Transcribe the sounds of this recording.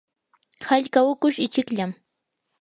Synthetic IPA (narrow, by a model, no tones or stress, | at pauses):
haʎkaʊkʊʃɪt͡ʃɪkʎam